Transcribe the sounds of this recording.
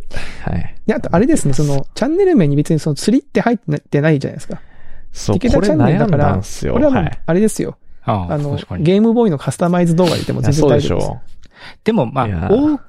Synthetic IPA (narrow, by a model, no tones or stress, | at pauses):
ha̰d̪eat̪o̞ʔaɾe̞d̪e̞sɨne̞so̞no̞t͡ɕãnːe̞ɾɯ̟mẽ̞ɲ̟ːibe̞t͡sɨɲ̟iso̞not͡sɨɾʲit̪ːe̞hait̪ːt̪ːe̞naid͡ʑa̰na̰esɨ̥ka | iket̪at͡ɕãnːeɯd̪akaɾa̰sjo̰kɾe̞βamaaɾe̞d̪e̞sɨjo̞̰ano̞ɡe̞ːmɯ̟bo̞ːino̞kʰasɨ̥t̪amaizɨd̪o̞ːɡa̰ɲʲḭt̪e̞mo̞̰zẽnd͡zẽd̪aiḛ | d̪̥e̞mo̞maoː